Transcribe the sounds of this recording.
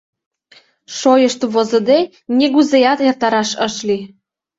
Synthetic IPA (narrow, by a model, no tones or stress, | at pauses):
ʃojəʃt̪βozə̆d̪e | nʲeɣuzejɑt̪ert̪ɑɾɑʃəʃli